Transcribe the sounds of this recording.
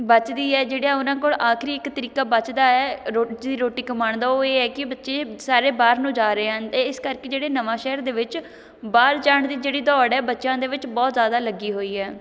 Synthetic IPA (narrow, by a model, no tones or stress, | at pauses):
bət͡ʃd̪iːɛːd͡ʒeːɽiaːʊnãːkoːɭʔaːkʰɾiːɪkt̪əɾiːkaːbət͡ʃd̪aːɛːɾoːd̪iːɾoːʈiːkəmaːɳd̪aːoːeːɛːkɪbətːʃeːsaːɾeːbaːɾnũːd͡ʒaːɾəeːɦənt̪eːɪskəɾkeːd͡ʒeːɽeːnəʋãːʃɛːɾd̪eːʋɪt͡ʃ | baːɾd͡ʒaːɳd̪iːd͡ʒeːɽiːd̪ɔːɽɛːbətːʃãːd̪eːʋɪt͡ʃbɔːt̪zjaːd̪aːləɡiːɦoːiːɛː